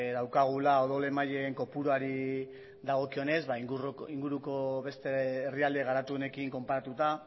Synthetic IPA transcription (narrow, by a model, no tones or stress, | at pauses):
ðawkaɣ̞ulao̞ðole̞maʎe̞ːŋko̞puɾoaɾi | d̪aɣ̞o̞kio̞ne̞zβaiŋriŋɡuɾuko̞βe̞st̪eeriald̪e̞ɣ̞aɾat̪uo̞ne̞kiŋko̞mpaɾat̪ut̪a